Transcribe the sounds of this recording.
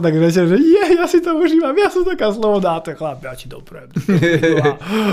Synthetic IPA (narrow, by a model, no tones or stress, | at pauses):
t̪aɡɾɛc̬ɛlʒɛjɛjasit̪ɔuʒimamjasɔmt̪akaslˠɔʋɔd̪aːt̪ɔxlabat͡ʃid̪ɔ̰pɾɛ̰d̪